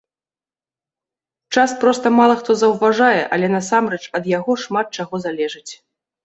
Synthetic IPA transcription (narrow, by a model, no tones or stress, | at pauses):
t͡ʂaspɾɔst̪ɐmalˠɐxt̪ɔzɐwvaʐajɛʔɐlʲɛnɐsamɾɛt͡ʂɐd̪jaɣɔʂmat̪̚t͡ʂaɣɔzalʲɛʐɨt͡sʲ